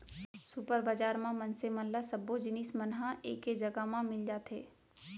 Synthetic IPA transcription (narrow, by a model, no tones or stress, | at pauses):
sʊpəɾbad͡ʒaːɾmãmɐnsemɐnlasɐbːod͡ʒɪniːsmənɦãʔḛːkːed͡ʒɐɡamãmɪld͡ʒaːt̪ʰeː